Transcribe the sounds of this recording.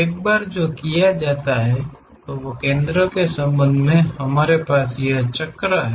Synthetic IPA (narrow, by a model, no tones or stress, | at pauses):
eːk̚baːɾd͡ʒoːkijad͡ʒaːt̪aɦɛ | t̪oʋokẽːnd̪ɾõkesə̃mbə̃nd̪ʱmẽhɐmaːɾepaːsjəɦt͡ʃɐkːɾaɦɛ